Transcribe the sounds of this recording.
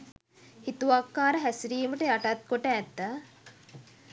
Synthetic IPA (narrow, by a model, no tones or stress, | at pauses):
hit̪uʋakːaːɾəɦæsiɾiːməʈəjaʈat̪̚koʈəːt̪ːa